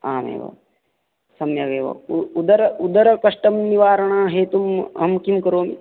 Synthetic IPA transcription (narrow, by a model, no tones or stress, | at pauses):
aːmḛːʋa̰ | sɐmjɐɡeːʋɐ̰ud̪ɐɾɐud̪ɐɾɐkɐʂʈɐmniʋaːɾɐɳ̃aːɦeːt̪umɐ̰mkimkɐɾoːm